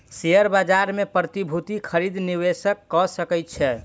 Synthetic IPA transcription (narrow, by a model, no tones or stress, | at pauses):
seəɾbad͡ʒaɾmepɾət̪ibʱut̪ikʰəɾid̪niβesəkːɔsəkɛjt̪̚t͡ʃʰɛ